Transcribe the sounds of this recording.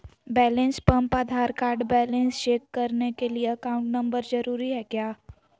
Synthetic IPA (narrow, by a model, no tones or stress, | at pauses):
bɛːlẽnspɐ̃mpad̪ʱaːɾkaːɾɖbɛːlẽnst͡ʃeːkːɐɾnekelieɐkãːʊ̃ɳʈnɐ̃mbəɾzɐɾuːɾiɦɛːkjaː